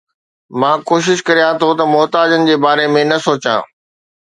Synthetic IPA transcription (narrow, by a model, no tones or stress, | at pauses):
mãːkoːʃ̬ɪʃkɐɾijãt̪ʰot̪ɐmʊɦt̪aːd͡ʑənɪ̆d͡ʑeːbaːɾemẽnɐsoːt͡ɕã̰ː